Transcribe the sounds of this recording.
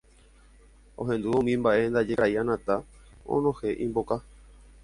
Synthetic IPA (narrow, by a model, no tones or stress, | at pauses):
õɦẽ̞nd̪uõmĩmbaʔe̞nd̪ad͡ʒeɾaianãt̪a | õ̰nõ̞he̞ʔĩmboka